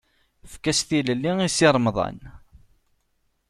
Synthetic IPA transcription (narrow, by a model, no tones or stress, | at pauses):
fkæsθiləlːiŋisiɾˤmðˤɑ̰n